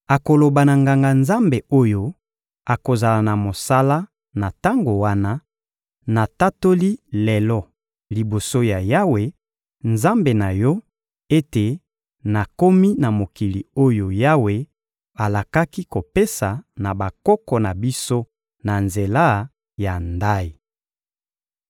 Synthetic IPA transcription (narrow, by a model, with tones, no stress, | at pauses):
a˨ko˨lo˨ba˨na˨ŋɡa˨ŋɡa˨nza˦mbe˨o˦jo˦ | a˨ko˨za˨la˨na˨mo˨sa˦la˦ | na˨ta˦ŋɡo˨wa˦na˦ | na˨ta˦to˦li˦le˨lɔ˦ | li˨bo˨so˦ja˨ja˦we˨ | nza˦mbe˨na˨jɔ˦ | e˦te˨ | na˨ko˦mi˦na˨mo˨ki˨li˨o˦jo˨ja˦we˨ | a˨la˨ka˦ki˦ko˨pe˦sa˨na˨ba˨kɔ˦kɔ˨na˨bi˦so˦ | na˨nze˨la˦ | ja˨nda˦i˨